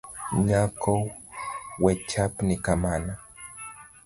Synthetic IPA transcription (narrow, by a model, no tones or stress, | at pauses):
ɲakʰow | wet͡ʃapnikamana